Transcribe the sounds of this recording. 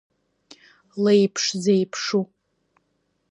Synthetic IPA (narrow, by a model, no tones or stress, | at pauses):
lejpʰʂzejpʰʂu